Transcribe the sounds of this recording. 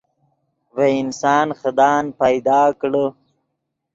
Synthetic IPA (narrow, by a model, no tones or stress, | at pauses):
weɪnsɑːnxəd̪ɑːnpajd̪ɑːkɽə